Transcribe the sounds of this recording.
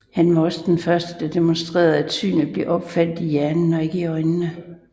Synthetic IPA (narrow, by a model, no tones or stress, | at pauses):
hænʋɑ̈ɒ̽səd̥enfɶɐsd̥əd̥ɑ̈d̥e̝monsd̥ʁḛːɐð̞ˠæd̥sy̰ːnð̩ˠb̥le̝ʔɒ̽b̥fæl̰d̥ijæɐnn̩ɒ̽e̝ɡ̥əiɒ̽ɪnːə